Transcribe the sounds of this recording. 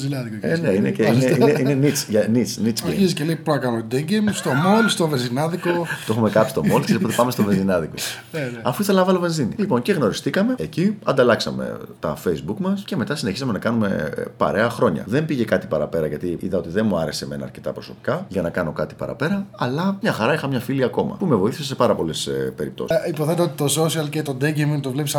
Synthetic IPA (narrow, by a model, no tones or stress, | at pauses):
zinɐðikoneineceieineʔinenit͡sʝɐnit͡snit͡siziceleipoɐkɐnot̪d̪eɲɟemst̪o̞molst̪ovezinɐðikot̪o̞xumekɐpist̪o̞mo̞lt̪ispot̪epɐme̞st̪ovenzinɐðiko̞ | ɐfuiθelɐnɐvɐlove̞nzinḭlipo̞nce̞ɣno̞ɾist̪ikɐme̞eciɐ̰nd̪ɐlɐksɐ̰me̞̰t̪ɐfejzbukmɐsce̞me̞t̪ɐsine̞çi̥sɐme̞nɐkɐnume̞pɐ̰ɾe̞ɐxɾo̞ɲɐ̰ðembiʝe̞kɐt̪i̥pɐɾɐpe̞ɾɐʝɐt̪iʔḭðɐo̞t̪iðenmuɐɾe̞seme̞nɐ̰ːɾce̞t̪ɐpɾo̞so̞pi̥kɐʝɐnɐkɐno̞kɐt̪i̥pɐ̰ɾɐ̰pe̞ɾɐɐlɐmɲɐxɐɾɐixɐmɲɐfiliɐko̞mɐ̰pumevo̞iθisesepɐɾɐpo̞lespe̞ɾipt̪o̞̰sipoθeneot̪it̪ososiɐlcet̪od̪eɡimiŋt̪ovlepis